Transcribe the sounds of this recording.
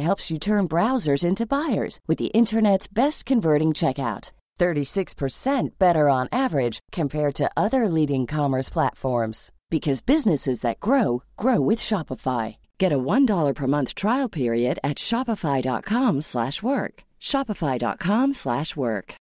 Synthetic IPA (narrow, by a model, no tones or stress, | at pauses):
ɦɛlˠpsjɨtʰɜ̃˞nbɹaʊzə˞zɪ̃ntʉbaɪə̰˞z̥wɨðḭʔɪ̃ntʰə˞nɛtsb̥ɛstkʰɨ̃ɱvɜ˞ɾɪ̃ŋt͡ʃʰɛkaʊt̪̚ | θɜ˞ɾisɪkspʰə˞sɛ̃nb̥ɛɾə˞ə̃nævə˞ɪd̥ʒ̥kʰɨ̃mpʰɛɹd̚tʰɨʔʌðə˞liɾɪ̃ŋkʰɑmə˞spʰl̥æ̰tfɔɹmz̥ | b̥ɨkʰʌzbɪznɨsɨzðɨ̰t̚ɡ̥ɹoʊɡ̥ɹoʊwɨð̥ʃɑpəfaɪ | ɡ̥ɛɾəwʌ̃ndɔlˠə˞pʰə˞mʌ̃nθtʰɹ̥aɪl̩ˠpʰɪɹiɨɾɨtʃɑpəfaɪdɑ̰t̚kʰɑ̃mslæ̰ʃwɜ˞k | ʃɑpəfaɪdɑ̰t̚kʰɑ̃mslæʃwɜ̰˞k